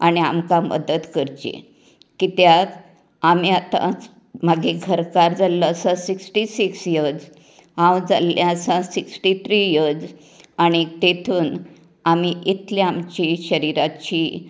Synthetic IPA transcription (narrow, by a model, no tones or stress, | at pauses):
aɽ̃iamkãmʔə̰d̪ət̪kəɾd͡ʑḛ | kit̪jat̪ | amiat̪ã̰ | maɡeɡʱəɾkaɾd͡zalːəəsasiksʈisiksjəd͡z | ɦãwd͡za̰ljãsãsiksʈit̪ʰɾijəd͡z | aɽ̃it̪et̪ʰuːn | amiʔit̪liamt͡ɕiɕəɾiɾat͡ɕiː